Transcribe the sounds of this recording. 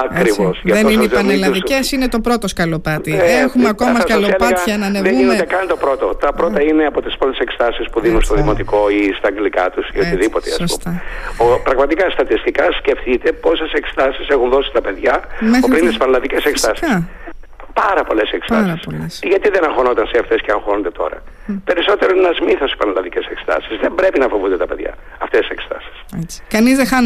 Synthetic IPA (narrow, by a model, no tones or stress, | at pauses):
ɐkɾivosʝɐðenoineipɐnelɐðicesinet̪o̞pɾo̞t̪oskɐlopɐt̪iexumeɐko̞mɐskɐlopɐçɐnɐneinod̪ekɐnit̪opɾot̪ot̪ɐpɾot̪ɐineɐpo̞t̪i̥spɾot̪esekst̪ɐsispuðinunst̪oðimo̞t̪iko̞ist̪ɐɐŋɡlikɐ̰t̪usiot̪iðipot̪eɐ̰ssṵt̪ɐopɾɐɣmɐt̪ikɐst̪ɐt̪ist̪ikɐsce̞ft̪it̪e̞po̞se̞se̞kst̪ɐsisexunðo̞si̥t̪ɐpe̞ðʝɐopɾint̪ispɐnlɐðice̞sekst̪ɐsis | pɐɾɐpo̞le̞sekst̪ɐssʝɐt̪iðenɐŋxonot̪ɐnseɐft̪e̞sceɐŋxonond̪et̪o̞̰ɾɐ̰ | pe̞ɾiso̞t̪eɾonenɐzmiθosi̥pɐnlɐðice̞sekst̪ɐ̰sizðe̞mbɾe̞pinɐfo̞vund̪et̪ɐpe̞ðʝɐ̰ | ɐft̪esise̞kst̪ɐ̰si̥skɐnizðexɐ